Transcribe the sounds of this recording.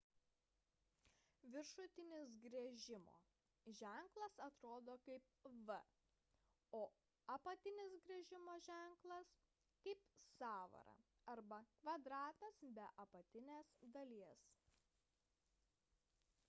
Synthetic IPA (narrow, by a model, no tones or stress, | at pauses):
ʋʲɪɾʃʊt̪ʲɪnʲɪs̬ɡɾʲɛʒʲɪmo̰ː | ʒʲæŋklˠɐsɐt̪ɾoːd̪oːkɐɪp̚ | ʋə | oː | ɐpɐt̪ʲɪnʲɪsɡɾʲɛʒʲɪmoːʒʲæˑŋklˠɐs | kɐɪpsɑːʋɐ̰ɾɐ̰ | ɐɾbɐkʋɐd̪ɾɑːt̪ɐsbʲɛʔɐpɐt̪ʲɪnʲeːsd̪ɐlʲiɛs